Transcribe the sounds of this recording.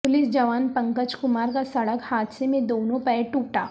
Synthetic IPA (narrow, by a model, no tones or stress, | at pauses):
pʊlɪsd͡ʒɐʋaːnpɐ̃ŋkət͡ʃkʊmaːɾkasɐɽəkhaːt̪semẽd̪oːnõpɛːʈuːʈa̰ː